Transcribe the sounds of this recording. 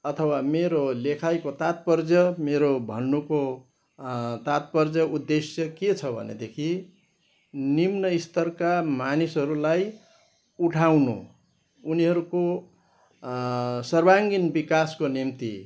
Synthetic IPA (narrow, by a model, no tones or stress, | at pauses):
ʌt̪ʰʌwameɾolekʰajkot̪at̪̚pʌrd͡zjʌmeɾobʱʌ̰nːuko | t̪at̪̚pʌrd͡zʌud̪ːesjʌket͡sʰʌbʱʌ̰nḛd̪ekʰi | nimnʌist̪ʌrkamanisɦʌɾulaj | uʈʰawnṵ | uniɦʌɾuko | sʌrbʱaŋɡinbikaskonimt̪ḭ